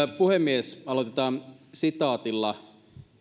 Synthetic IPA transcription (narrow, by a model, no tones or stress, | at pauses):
puhemːiesɑlot̪et̪ɑːnsit̪ɑːt̪ilːɑ